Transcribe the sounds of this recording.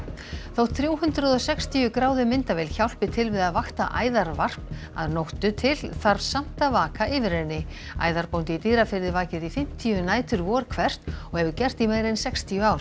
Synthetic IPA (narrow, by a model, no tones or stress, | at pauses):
θowθɾjuːwɦʏnt̪ɾʏðɔsɛkst̪ʰiʏkɾaːwðʏmɪnt̪avɛːlçawl̥pɪt̪ʰɪlvɪðaðvaxt̪aʔaːjðaɾvar̥pa̰ðnowht̪ʏt̪ʰɪlθaɾvsam̥t̪avaːkʰaʔɪvɪɾɛnːɪ | a̰ːjðaɾpownt̪ɪit̪iːɾafɪɾðɪvaːcɪɾifɪm̥t̪ʰiʏnaːjt̪ʰʏɾvɔːɾkʰvɛr̥t̪ɔɣhɛvʏcɛr̥t̪imeːɾɪnsɛkst̪ʰijʏaːwɾ